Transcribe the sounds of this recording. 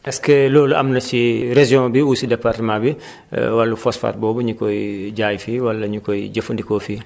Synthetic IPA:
ʔɛskɛloːluʔɐ̰mnɐsiɾeʒijɔ̃biwusidɛpartəmãbḭ | walːufɔsfa̰ːɾbɔːbɐɲukɔjɟaːjfiːwɐlːɐɲukɔjiɟɐfundikɔːfiː

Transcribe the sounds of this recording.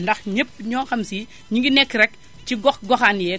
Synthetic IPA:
ndɐxɲəpːɲɔːxɐmsiː | ɲiŋɡinɛkːɾɛk | ciɡɔxɡɔxanjɛ

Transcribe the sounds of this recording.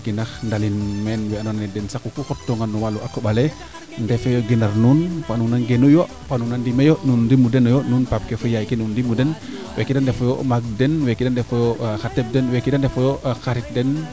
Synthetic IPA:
kinaxndalinmɛnwɛanonnɛdɛnsakukukɔtːoŋanːɔwaluʔakobalɛ | ndɛfojoɡenarnunpanuŋnanɡenujo | panuŋnandimejonundimudɛnɔjonunpap̚kefojaikenundimudɛnwekidandɛfojɔmaɡ̚dɛnwekidandɛfojɔxatɛp̚dɛnwekidandɛfojɔxaɾit̚dɛn

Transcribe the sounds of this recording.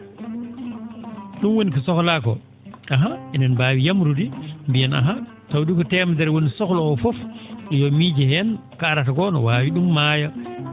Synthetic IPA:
ɗumwonikɔsɔklakɔ̰ | ʔaɦaɛnɛnbaːwijamɾudimbijɛna̰ɦa | tawdikɔtɛːmadɛɾwonisɔklɔɔfɔfɗjɔmiːd͡ʒɛhɛnkaɾatakɔnɔ̰waːwiɗumːaːja

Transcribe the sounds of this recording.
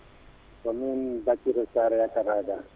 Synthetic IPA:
kɔmɛnbat͡ʃiɾɛsaɾɛjakaɾaːɡa

